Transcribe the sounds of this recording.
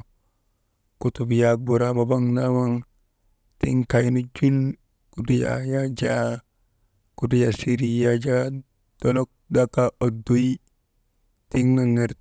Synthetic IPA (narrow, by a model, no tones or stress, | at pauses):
kutubijabuɾababaŋnawaŋ | tḭŋkajnud͡ʒun | kuduja̰jad͡ʒa | kudijasiɾijad͡ʒa | d̥onok̚dakaʔodoi | tiŋnaŋeɾ